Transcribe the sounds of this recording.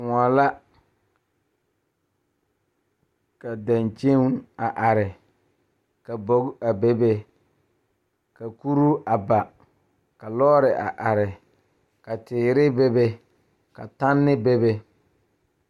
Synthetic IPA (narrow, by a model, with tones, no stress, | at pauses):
ŋɔ˨la˦ | ka˨da˨nt͡ʃe˦ŋ˦a˨ʔa˨ɾɪ˨ | ka˨bo˦ka˨be˦be˦ | ka˨ku˦ɾu˦a˨ba˨ | ka˨lɔː˦ɾɪ˨ʔa̰˨ʔa˨ɾɪ˨ | ka˨tɪː˨ɾɪ˦be˦be˦ | ka˨ta˦nːɪ˦be˦be˦